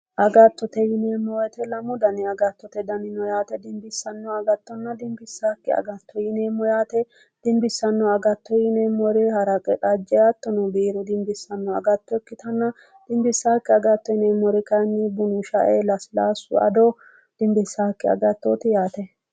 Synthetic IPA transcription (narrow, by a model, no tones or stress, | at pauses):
ʔɐɡɐt̪ːɔt̪ɛjɪneːmːɔwɔt̪ɛlɐmʊd̪ɐnɪɐɡɐt̪ːɔt̪ɛd̪ɐnɪnɔjaːt̪ɛd̪ɪmbɪsːɐnːɔɐɡɐt̪ːɔnːɐd̪ɪmbɪsːaːkːɪɐ̰ɡɐt̪ːɔjɪneːmːɔjaːt̪ɛ | d̪̥ɪmbɪsːɐnːɔɐɡɐt̪ːɔjɪneːmːɔɾɪhɐɾɐkʼɛᶑɐd͡ʒːɛjaːt̪ːɔnɔbiːɾʊd̪ɪmbɪsːɐnːɔɐ̰ɡɐt̪ːɔɛkːɪt̪ʰɐnːɐ | d̪̥ɪmbɪsːaːkːɪɐɡɐt̪ːɔjɪneːmːɔɾɪkɐjnːibʊnʊʃɐ̰ʔelɐsla̰ːsʊ̰ɐ̰d̪oː | d̪̥ɪmbɪsːaːkːɪɐ̰ɡɐt̪ːoːt̪ɪjaːt̪ɛ